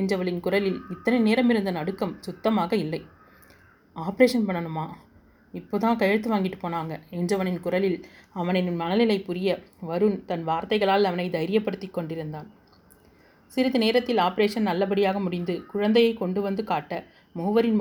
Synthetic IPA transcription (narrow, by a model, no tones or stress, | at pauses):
ɛndrɐʋɐɭɪnkʊrɐlɪlɪt̪ːɐnɐɪneːɾɐmɪɾɯnd̪ɐnɐɽɯkːɐmsʊt̪ːɐmaːɣɐɪlːɐɪ | aːpɐɾeːʂɐnpɐɳːɐɳɯmaː | ɪpːoːðãːkɐjɐɻt̪ːɯʋaːŋɡɪʈːɯ̥pːoːnaːŋɡɐɛndrɐʋɐnɪnkʊɾɐlɪlɐʋɐnɛnnmɐnɐlɪlɐɪpːʊɾɪjɐʋɐɾɯnt̪ɐnʋaːɾt̪ɐɪɣɐɭaːlɐʋɐnɐɪd̪ɐɪɾɪjɐpːɐɽɯt̪ːɪkːɔɳɖɪɾɯnd̪aːn | sɪɾɪðɯneːɾɐt̪ːɪlaːpɐɾeːʂɐnnɐlːɐp̬ɐɽɪjaːɣɐmʊɽɪnd̪ɯkʊɻɐnd̪ɐjɐɪkɔɳɖɯʋɐnd̪ɯkaːʈːɐ | mʊʋɐɾɪn